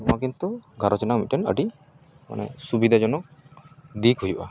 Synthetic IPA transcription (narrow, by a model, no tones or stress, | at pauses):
õakint̪uɡʱaɾɔt͡ʃɔnakmitɔnə̰ɖi | ma̰nɛ̰subid̪ʱad͡ʒɔnɔ | d̪ikɦujba̰